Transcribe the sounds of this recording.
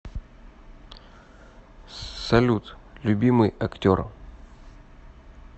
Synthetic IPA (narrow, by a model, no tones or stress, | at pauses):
sɐlʲut̪lʲʊbʲimɨjɐktʲor